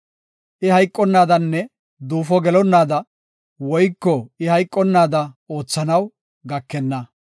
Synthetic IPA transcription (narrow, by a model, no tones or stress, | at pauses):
ʔɪhɐjkʼːɔnːaːd̪ɐnːɛ | d̪uːfɔɡɛlɔnːaːd̪ɐ | wɔjkːɔɪhɐjkʼːɔnːaːd̪ɐo̞ːt͡sːɐnɐw | ɡɐkːɛnːɐ